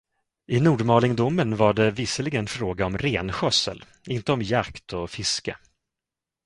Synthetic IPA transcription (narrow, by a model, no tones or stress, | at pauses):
ʔɪnuːɖmɑːlɪŋd̪ʊmːənvaɖɛvɪsəlɪɡənfɾoːɡaɔmɾeːnɧœsːə̰l | ɪnt̪əɔmjakt̪ʰɔfɪskə̰